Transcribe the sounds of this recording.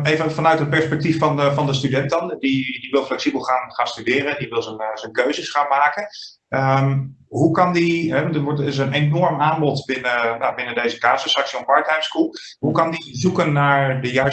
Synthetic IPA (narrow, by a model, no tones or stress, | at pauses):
ejvənfɑnœɥtɦət̚pɛɹspɛk̚tifɑnvɑndəstydɛntdɑndidiʋɪlˠflɛksibəlˠχaːnχaːnstydɪːɾədiʋɪlˠzənzənkøɥzəsχaːnmaːkən | əm | ɦukɑndiɦɛʋntətʋɔɹtɪs̬ənenɔɹmaːnbɔtbɪnəjabɪnədejzəkaːsəsɑksiɔppɑɹtɛjmskulˠ | ɦukɑndizukənːaːɹdəjaː